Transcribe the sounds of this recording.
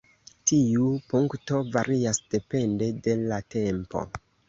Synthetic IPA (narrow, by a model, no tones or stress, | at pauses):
tiupuŋkto̞vaɾiasd̥e̞pe̞nde̞de̞late̞mpo̞̰